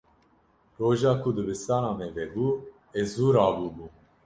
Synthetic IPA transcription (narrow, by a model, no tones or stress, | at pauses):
roːʒɑːkʰud̪ɨbɨst̪ɑːnɑːmɛvɛbuː | ezuːɾɑːbuːbuː